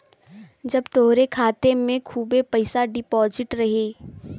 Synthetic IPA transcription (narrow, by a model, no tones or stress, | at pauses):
d͡ʒɐbt̪oɦɾekʰaːt̪emẽkʰuːbepɐɪsaɖɪpɔːzɪʈɾɐɦeː